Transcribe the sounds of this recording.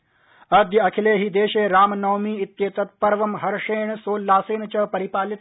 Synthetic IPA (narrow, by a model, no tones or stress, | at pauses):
ɐd̪jɐkʰileːɦiːd̪eːʃeːɾaːmnɐwmiːit̪jeːt̪ɐt̪̚pɐɾʋɐmɦɐɾʃeːɳsoːlːaːseːnt͡ɕɐpɐɾipaːlit̪